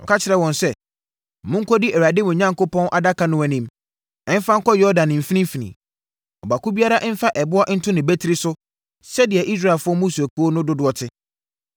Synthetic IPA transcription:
ɔ̰˨kʰa˦t͡ɕʰɪ˨ɾɛ˨wɔ̃˨nsɛ˦˨ | mʊ̃˦ŋ̩˦kʰɔ˦di˦ɛ˨wa˨dɪ˦mʊ̃˨ɲã˦ŋkʊ˦pʰɔ̃˦nʔa˨da˦kʰa˦nʊ̃˦ɛ˨nĩ˦m | ɛ̃˦m˦fã˦ŋ̩˦kɔ˦jɔ˦dã˨nɪ̃˨m̩˨fi˦nĩ˦fi˨nḭ̃˨ | ɔ˨ba˨ku˦bi˦a˦ɾa˦ʔn̩˦fa˦ʔɛ˨bʊ˦ɔ˦ʔn̩˦tʰʊ˦nɪ̃˨bæ˦tʰi˦ɾi˦sʊ˦ | sɛ˦dɪ˨ɛ˨ʔi˦s̬ɾa˦ɪ˨lfʊ˦ɔ˦mũ˦su˨æ˨ku˦o˦nʊ̃˦dʊ˦dʊ˨ɔ˨tʰɪ˦

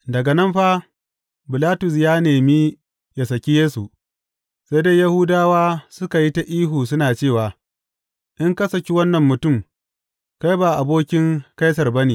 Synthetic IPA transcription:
dɐ˨ɡɐ˨nɐ˦mɸa˦ | bɪ˨laː˦tʊ˨s̬jaː˦neː˨miː˦ | ja˨sɐ˨kʲi˦jeː˦su˨ | sa˦jdaː˦ja˦hʊ˦daː˦waː˦sʊ˦ka˨ji˦ta˨ʔiː˦ɦuː˨s̬ʊ˦naː˨t͡ʃeː˦˨waː˨ | ʔɪ˦ŋkɐ˦sɐ˨kʲi˦wɐ˦nːɐ˨mːʊ˨tʊ˦˨m | ka˦jbaː˨ʔa˨boː˦kʲɪ˦ŋka˦js̬ɐ˨rbɐ˦neː˨

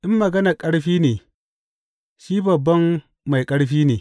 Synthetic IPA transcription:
ʔɪ˦mːɐ˨ɡɐ˦na˨kʼɐ˦ɽɸiː˦neː˨ | ʃiː˦bɐ˨bːɐ˦mː | a˨jkʼɐ˦ɽɸiː˦neː˨

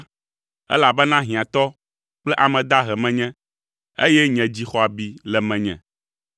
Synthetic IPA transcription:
ɛ̰˦la˨bɛ˦nã˦ɦĩ˨ã˨t̪ɔ˦ | k͡plɛ˦ʔa˨mɛ̃˨d̪a˦ɦɛ˨mɛ̃˨ɲɛ̃˦ | ḛ˦jɛ˦ɲɛ̃˨d͡ʑi˦xɔ˨a˨bi˦lɛ˨mɛ̃˨ɲɛ̰̃˨

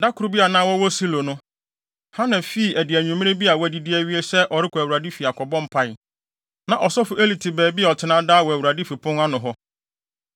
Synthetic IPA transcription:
da˦kʰʊ˨ɾʊ˦bi˦a˨nã˦wɔ˦wɔ˦si˦lo˨nʊ̃˦ | ha˦nã˨fi˦˨æ˨dɪ˨æ˨ɲᶣũ˨mɪ̃˦ẽ˦bi˦a˨wɔ˦æ˨di˦di˦æ˦ɥi˦e˦sɛ˦ʔɔ˨ɾɪ˦kʰɔ˨æ˨wu˨ɾa˨di˦fi˨a˨kʰʷɔ˨bɔ̃˦m̩˦pʰa˦j | nã˨ʔɔ˨sɔ˦fʊ˨e˦li˨tʰɪ˨bɛː˨bi˦˨ɔ˨tʰɪ˨˦nã˦daː˦wɔ˨æ˨wu˨ɾa˨di˦fi˨pʰʊ̃˦na˦nʊ̃˨ɦɔ˦

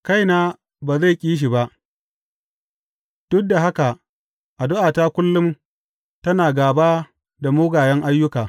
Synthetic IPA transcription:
ka˦jnaː˦ | baː˨za˦˨kʲʼiː˦ʃ̬i˨ba˦ʔ | d̥ʊ˦k̚da˨ɦa˦ka˨ | ʔa˨dʊ˦ʔaː˨ta˦kʷʊ˦lːʊ˦m | tɐ˦naː˨ɡaː˨baː˦ | da˨mʊː˦ɡaː˨jɛ˦ŋʔa˦jːʊ˦kaː˨

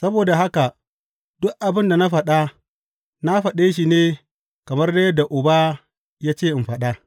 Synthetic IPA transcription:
sɐ˦boː˨da˨ɦa˦ka˨ | d̥ʊ˦ʔʔa˨bɪ˦nda˨na˦ɸɐ˨ɗa˦ | na˦ɸɐ˨ɗeː˦ʃi˨neː˦ | kɐ˨mɐ˦rda˦jɐ˦da˨ʔʊ˨ba˦ | jaː˦t͡ʃeː˦˨ʔɪ˨mɸɐ˨ɗa˦

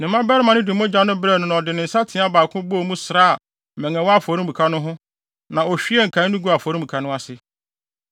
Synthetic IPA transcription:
nɪ̃˨mːã˦bɛ˦ɾɪ˦mã˨nɪ̃˦dɪ˨˦mõ˦d͡ʑa˦nʊ̃˦bɾɛ˦˨nʊ̃˨ñ˨ɔ˨dɪ˨nɪ̃˨n̩˨sa˦tʰɪ̃˨˦a˦baː˨kʰʊ̃˦bɔ˦˨mũ˦sɾaː˦˨ | mɛ̃˨ŋɛ̃˨wɔ˦a˦fɔ˨ɾũ˦mbu˨kʰa˦nʊ̃˦ɦʊ̃˦ | nã˨ɔ˨ɕᶣi˦ɛ˦ŋ̩˨kʰã˨˦nũ˦ɡu˦a˨fɔ˨ɾũ˦bu˨kʰa˦nʊ̃˦a˨sɪ˦

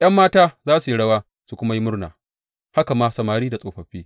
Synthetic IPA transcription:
jɐ˦mːaː˦taː˦zaː˦su˨ji˦ɽɐ˦waː˦ | su˨kʷʊ˦ma˦ji˦mʊ˦rna̰ː˨ | ha˦ka˨maː˦sɐ˨maː˨ɾiː˦da˨sʼoː˨ɸɐ˨ɸiː˦

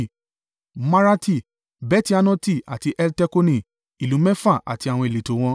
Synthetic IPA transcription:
ma˧ɾa˧ti˦˨ | bɛ˦ti˦a˧nɔ̃˦ti˦˨a̰˨ti˧ʔɛ˧ltɛ˧˦ko˧nĩ˦˨ | i˨lũ˨˦mɛ̃˦fa˦˨ʔa̰˨ti˧a˨w̃ɔ̃˧e˨le˨˦to˨˦w̃ɔ̃˧

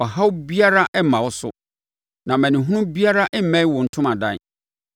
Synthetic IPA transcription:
ɔ˨ɦa˦wbi˦a˦ɾa˦ʔɛ˦mã˨wɔ˦sʊ̰˦ | nã˨mæ̃˨nɪ̃˨ɦũ˦ʊ̃˦bi˦a˦ɾa˦ʔɛ˦m̩˦mɛ̃˦i˦wɔ˨n̩˦tʰʊ̃˦mã˨dã˦˨n

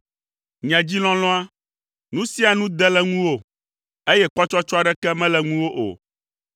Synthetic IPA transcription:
ɲ˨ɛ̃˨d͡ʑi˦l̃ɔ̃˦l̃ɔ̃˦a˦ | nũ˦si˦a˨nũ˦d̪ɛ˦lɛ˦ŋũ˦wo˦ | e˦jɛ˦k͡pɔ˦t͡ʃɔ˦t͡ʃɔ˦a˦˨ɖɛ˦kɛ˦mɛ̃˦lɛ˨ŋũ˦wo˦ʔo̰˨

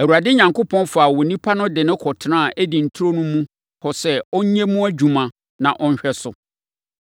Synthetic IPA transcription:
æ˨u˨ɾa˨dɪ˦ɲã˨ŋkʊ˦pʰɔ̃˦nfa˨wɔ˨nĩ˦pʰa˦nʊ̃˦dɪ˨nɪ̃˦kʰɔ˨tʰnã˦˨ʔæ˦di˨n̩˨tʰu˦ɾo˦nũ˦mũ˦ | hɔ˨sɛ˦ɔ˦ɲ˦ɛ̃˦mũ˦æ˦d͡ʑu˨mã˨ | nã˨ʔɔ˦n̩˦ɕᶣɛ˦sʊ˨

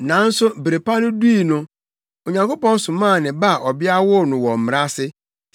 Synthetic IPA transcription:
nã˨˦n̩˦sʊ˦bɾe˨pa˦nʊ̃˦du˦i˨nʊ̃˨˦ | o˨ɲã˨ŋko˦pɔ̃˦n˦sʊ̃˨mã˦˨nɪ̃˨ba˦˨ʔɔ˨bɪ˦a˦wʊ˦˨nʊ̃˨wɔ˨m̩˨m˨ɾa˦sɪ˦

